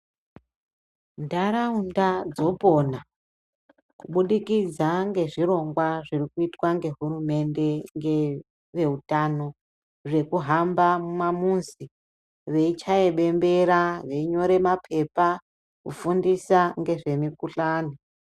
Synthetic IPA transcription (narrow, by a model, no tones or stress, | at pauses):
ndaɾaundad͡zo̞po̞na | kuɓuɗikid͡zaŋɡe̞ʐiro̞ŋɡwaʐirikuitwaŋɡe̞ɦurume̞nde̞ŋɡe | ʋe̞utano̞ | ʐe̞kuɦambamumamunzi | ʋe̞it͡ʃaeɓe̞mbe̞ɾaʋe̞iɲo̞ɾe̞mapʰe̞pa | kṵfundisaŋɡe̞ʐe̞mikuɬaːni